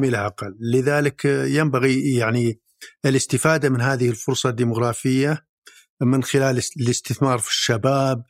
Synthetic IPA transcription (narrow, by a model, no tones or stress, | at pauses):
milaʔaqalːɪðaːlɪkjambaɣijaʕni | ɪlɪst̪ɪfaːd̪amɪnɦaːðɪhɪlfʊɾsˤɑd̪ːiːmʊɣɾˤɑːfɪjːa | mɪnxɪlaːllɪst̪ɪθmɑːɾˤfi̥ʃːabaːb̚